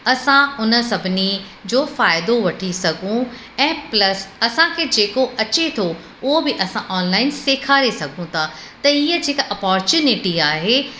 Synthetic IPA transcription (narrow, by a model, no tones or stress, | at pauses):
ɐsãʊnə̆sɐbʱɪni | d͡ʑoːfaːɪd̪oʋɐʈʰisɐɡʱũ | ɛ̃ːplɐsɐsãkʰed͡ʑeːkoɐt͡ɕet̪ʰo | ʊɦobɪʔɐsãʔɔːnlaːɪnseːkʰaːɾesɐɡʱũt̪ʰa | t̪ɐiːəd͡ʑeːkɐpɔːɾt͡ɕuːnɪʈiaːɦeː